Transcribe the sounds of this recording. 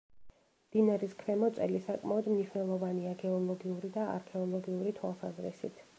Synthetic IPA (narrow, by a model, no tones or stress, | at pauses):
md̪̥inaɾiskʰvɛmɔt̪sʼɛlisakʼmaɔd̪mniʃwnɛlˠɔvaniaɡɛɔlˠɔɡiuɾid̪aa̰ɾkʰɛɔlˠɔɡiuɾit̪ʰwalˠsazɾɛ̰sḭt̪ʰ